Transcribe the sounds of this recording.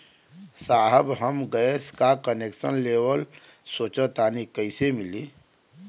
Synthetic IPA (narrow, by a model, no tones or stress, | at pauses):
saːɦəbɦəmɡəskakəneːkʃənleːʋəl | soːt͡ʃət̪aːnikəɪsemɪliː